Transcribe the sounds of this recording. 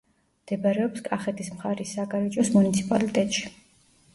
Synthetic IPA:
md̪̥ɛbaɾɛɔpskʼaχɛt̪ʰismχaɾisaɡaɾɛd͡ʒɔsmunit̪sʰipʼa̰lit̪ʼɛt̪ʼʃi̥

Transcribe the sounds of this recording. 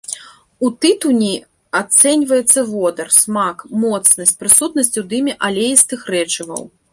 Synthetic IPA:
ut̪ɨt̪unʲi | at̪sɛnʲvɐjɛt̪sːɐvɔd̪ɐrsmakmɔt̪snɐsʲtʲpɾɨsut̪nɐsʲt͡sʲud̪ɨmʲiʔalʲejist̪ɨxrɛt͡ʂɨvɐ̰w

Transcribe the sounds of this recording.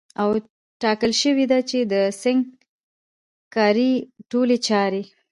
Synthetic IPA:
aw | ʈɑkəlʃəwid̪at͡ʃed̪əsɪŋɡ | kɑɾiʈolet͡ʃɑɾe

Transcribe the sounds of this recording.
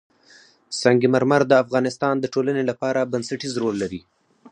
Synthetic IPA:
sɑŋɡimaɾmaɾd̪əafɣɑnɪst̪ɑnd̪əʈolanelapɑɾabansaʈizɾolːaɾi

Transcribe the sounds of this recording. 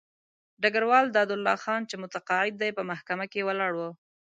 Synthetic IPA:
ɖaɡaɾwɑld̪ɑd̪ʊlːɑxɑnt͡ʃemʊt̪aqɑɪd̪̚ːajpəmahkamakewəlɑɽwə

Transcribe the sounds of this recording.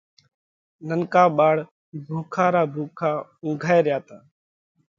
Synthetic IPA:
nənkaːɓaːɽ | bʱuːkʰaːɾaːbʱuːkʰaːʊ̃ːɡʱaːeːɾɪjaːt̪aː

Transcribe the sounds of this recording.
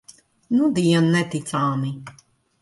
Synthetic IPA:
nud̪iɛnːɛt̪it̪saːmi

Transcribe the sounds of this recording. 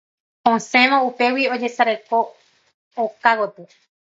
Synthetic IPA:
õsẽʋãupe̞wio̞d͡ʒe̞saɾeko̞ː | kakot̪ɨ

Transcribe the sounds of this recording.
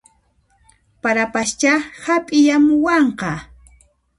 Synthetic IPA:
paɾapast͡ʃahapʼɪjamʊwɑɴqɑ

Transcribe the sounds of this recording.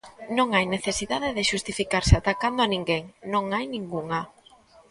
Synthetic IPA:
nõŋajneθesiðaðeðeʃust̪ifikaɾseat̪akand̪oanĩŋɡeŋnõŋajnĩŋɡuŋa

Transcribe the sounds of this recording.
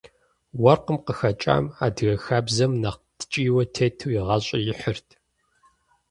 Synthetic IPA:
wɐrqəmqəxɐt͡ʃʼa̰ːmaːdɣɐxaːbzɐmnɐqtʰɨ̥t͡ʃʼiːwɐtʰeːtʰuwjɪʁɐɕʼɐjɪħərtʰ

